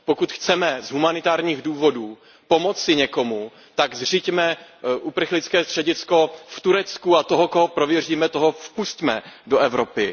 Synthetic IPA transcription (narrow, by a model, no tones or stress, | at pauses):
po̞kut̪xt͡sɛmɛzɦumanɪt̪aːɾɲiːɣduːvo̞duː | po̞mo̞t͡sɪɲɛko̞mu | t̪aɡzr̝icmɛʔupr̩xlɪt͡skɛːst̪r̥ɛɟɪt͡sko̞ft̪uɾɛt͡skuat̪o̞ɦokoɦopɾo̞vjɛriːmɛt̪o̞ɦofpuscmɛdoʔɛvɾopɪ